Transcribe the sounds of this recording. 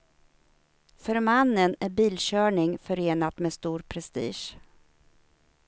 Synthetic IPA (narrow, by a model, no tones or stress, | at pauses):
fœɾmanːənæɾbiːlɕœːɳɪŋfœɾeːnat̪mɛːst̪uːɾpʰɾɛst̪ḭːʂ